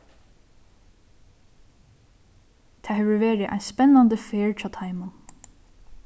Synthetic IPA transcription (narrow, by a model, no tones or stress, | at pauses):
t̪ʰɛːhɛʋəɹʋeːɹɪʔa̰ɪspɛnːand̪əfeːɹt͡ʃʰaːt̪ʰaɪmʊ